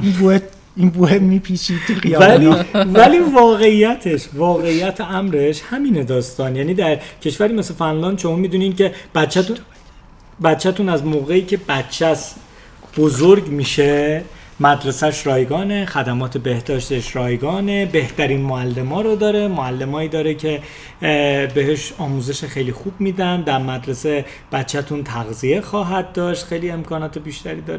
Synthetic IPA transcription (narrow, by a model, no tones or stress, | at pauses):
inboe | inbohemiːpʰiʃit̪ʰːuɣijælivælivɒːɣe̞ijːæt̪ʰe̞ʃvɒːɣe̞ijːæt̪ʰeæmɾe̞ʃhæmiːned̪ɒːst̪ɒːnjæːniːd̪æɾcʰe̞ʃvæɾimeslefænlɒːnd̪ʃo̞mɒːmiːd̪uːniːncʰe̞b̥ætt͡ʃʰːæt̪u | bæt̪t͡ʃʰːæt̪ʰunæzmoːɣe̞iːcʰe̞bæt̪t͡ʃʰːæs | b̥ozoɾɟmiːʃe̞ | mæd̪ɾe̞sæʃɾɒːjɡɒːne̞xæd̪æmɒːt̪ʰe̞be̞hd̪ɒːʃt̪e̞ʃɾɒːjɡɒːnebe̞ht̪ʰæɾiːnmoælːe̞mɒːɾod̪ɒːɾe̞moælːe̞mɒːiːd̪ɒːɾecʰe̞ | be̞ɦeʃɒːmuːze̞ʃexejliːxuːb̚miːd̪ænd̪æɾmæd̪ɾe̞se | b̥ætt͡ʃʰːæt̪ʰunt̪ʰæɣzije̞xɒːɦæd̪̚d̪ɒːʃt̪xejlie̞mkʰɒːnɒːt̪ʰebiʃt̪æɾiːd̪ɒːɾe